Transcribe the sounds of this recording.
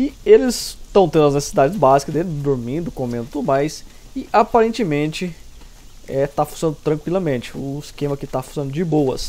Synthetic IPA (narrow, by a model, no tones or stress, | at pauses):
ɪelɪst̪ɐ̃w̃t̪ẽnd̪ʊɐznese̥sid̪ad͡ʒɪzbazikɐd̪elɪd̪ʊɾmĩnd̪ʊkomẽnd̪ʊt̪ud̪ʊmajs | ɪʔapaɾẽnt͡ʃɪmẽnt͡ʃɪ | ɛt̪afosɐ̃nd̪ʊt̪ɾɐ̃ŋkwilɐmẽnt͡ʃɪʊiskẽmɐkɪt̪afo̥sɐ̃nd̪ʊd͡ʒɪbowɐ̰s